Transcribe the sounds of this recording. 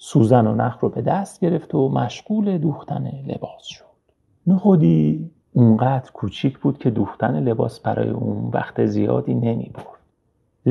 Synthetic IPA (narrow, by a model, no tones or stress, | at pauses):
suːzænonæxɾobe̞d̪æst̪̚ɟe̞ɾe̞ft̪ʰomæʃɡuːle̞d̪uːxt̪ʰæne̞le̞̰bɒːsʃo̥d̪̥ | mexod̪iː | uŋɢæːd̪ɾkʰuːt͡ʃʰiːcʰbuːd̪̥cʰe̞d̪uːxt̪æne̞le̞bɒːsbæɾɒ̰ːjḛʔunvæ̰xt̪ezijɒ̰ːd̪iːne̞mḭːboɾd̪̥